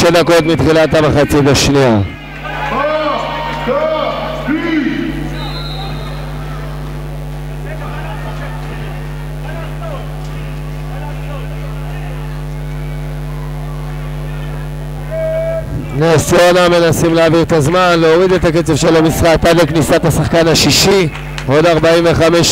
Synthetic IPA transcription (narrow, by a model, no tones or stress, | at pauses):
ed̪ako̞t̪mit̪χilat̪hamaχat͡sitaʃnia | nesionamːe̞nasimleaviʁet̪azmanleoʁid̪et̪aket͡sevʃelamisχat̪aleknisat̪hasaχkanhaʃiʃi | o̞d̪aʁbaiɱve̞χameʃ